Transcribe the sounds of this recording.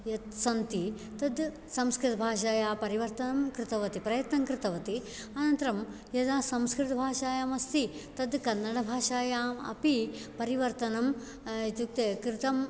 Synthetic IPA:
jɐt̪sɐnt̪i | t̪ɐd̪ | sɐmskɾɪt̪ɐbʱaːʃaːjaːpɐɾiʋɐɾt̪ɐnɐmkɾɪt̪ɐʋɐt̪ipɾɐjɐt̪nɐmkɾɪt̪ɐʋɐt̪i | ɐnɐnt̪ɐɾɐm | jɐd̪aːsɐmskɾɪt̪ɐbʱaːʂaːjaːmɐst̪it̪ɐd̪kɐnːɐɽɐbʱaːʂaːjaːmɐ̰pipɐɾiʋɐɾt̪ɐnɐm | it̪ukt̪ekɾɪt̪ɐm

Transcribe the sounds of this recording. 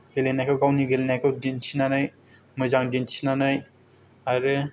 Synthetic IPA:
ɡelenajkʰawɡawniɡelenajkʰɯwdinsʰinanɯj | mɯzaŋdint͡ʃʰinanɯj | aɾɯ

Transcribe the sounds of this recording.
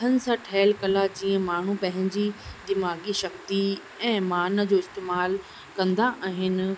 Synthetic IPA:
ənɪ̆sãʈʰɛːlkɐlat͡ɕiə̃maːɳ̤ũpɐ̃ɦɪ̃ɲd͡ʑid̪ɪmaːɡiʃɐkt̪i | ɛ̃ːmaːnə̆d͡ʑoːɪst̪eːmaːl | kɐ̃nd̪aʔaːɦɪnɪ̆

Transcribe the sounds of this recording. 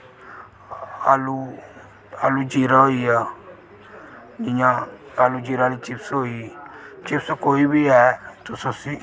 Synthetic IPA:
alu | alud͡ʒiɾaoia | ɪ̃ɲãalud͡ʒiɾalit͡ʃipsoit͡ʃɪpskoːibiɛːt̪ososi

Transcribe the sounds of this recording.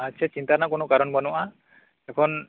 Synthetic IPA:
atːt͡ʃʰat͡ʃint̪anaʔkunɔkaɾɔnbɔnuʔa | ɛkʰɔn

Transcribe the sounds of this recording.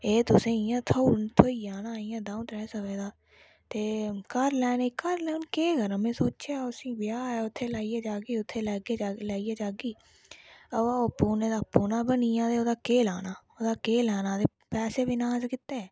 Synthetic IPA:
eːt̪ʊsẽːɪjãːt̪ʰoːnt̪ʰoːiːjaːnaːijãːd̪ãːũt̪ɾɛːsəʋeːd̪aː | t̪eːkəɾlɛːneːkəɾlɛːnkeːɡəɾəmẽːsoːt͡ʃaːʊsĩːbɪjaːɛːʊt̪ʰːeːlaːijaːd͡ʒaːɡiːʊt̪ʰːeːlɛːɡeːd͡ʒaːlaːiːaːd͡ʒaːɡiː | əaːopːuːneːd̪aːpːuːnaːbənijãːt̪eːoːd̪aːkeːlaːnaːoːd̪aːkeːlɛːnãːt̪eː | pɛːseːbɪnaːzkɪt̪ːeː

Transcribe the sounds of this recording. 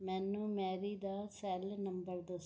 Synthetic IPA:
mɛːnːũːmɛːɾiːd̪aːsɛːlnəmbəɾd̪os

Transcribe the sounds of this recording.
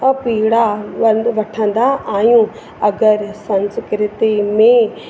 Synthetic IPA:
piːɽaʋɐʈʰə̃nd̪aʔaːjũ | ɐɡəɾsɐ̃nskɾɪt̪imẽ

